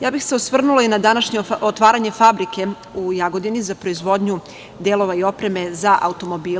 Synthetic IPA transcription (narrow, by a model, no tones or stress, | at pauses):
jaːbixseosʋr̩nulainad̪anaʃɲeot̪ʋaːɾaɲe̞fabɾike̞ | ujaɡo̞d̪inizapɾo̞izʋo̞d̪ɲu | d̪e̞lˠo̞ʋaio̞pɾe̞me̞zaʔa̰ut̪o̞mo̞biː